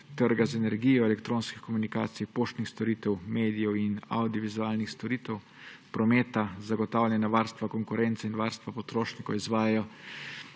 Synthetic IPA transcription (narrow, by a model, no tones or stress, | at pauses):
t̪əɾɡazɛnɛɾɡijɔɛlɛkt̪ɾoːnskixkɔmunikaːt̪sipoːʃt̪nixst̪ɔɾiːt̪ɛwmeːd̪ijɔwina̰wd̪iɔʋizuaːlnixst̪ɔɾiːt̪ɛw | pɾɔmeːt̪azaɡɔt̪aːwlʲjɛnaʋaːɾst̪ʋakɔŋkuɾɛnt̪sɛinʋaɾst̪ʋapɔt̪ɾoːʃnikɔwizʋaːjajɔ